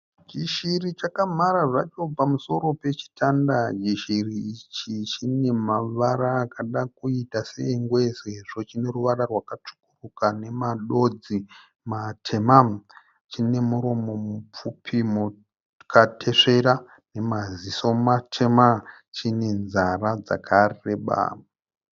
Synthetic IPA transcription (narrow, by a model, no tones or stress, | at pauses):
d͡ʒiʃirit͡ʃakam̤aɾaʐat͡ʃo̞pamuso̞ɾo̞pe̞t͡ʃi̥tʰandad͡ʒiʃiriːt͡ʃit͡ʃine̞maʋaɾaːkaɗakuitaseiŋɡwe̞seʐot͡ʃine̞ruʋaɾarwakat͡ʂu̥kurukane̞maɗo̞d͡zi | matʰema | t͡ʃine̞muɾo̞mo̞mup͡fupʰimu | kʰatʰe̞ʂe̞ɾa | ne̞maziso̞matʰe̞ma | t͡ʃine̞nzarad͡za̰kʰareɓa̰